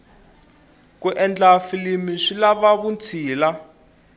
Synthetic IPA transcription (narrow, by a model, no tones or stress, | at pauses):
kuʔɛnd͡ɮafilimiʂilaβaβunt͡sʰiːla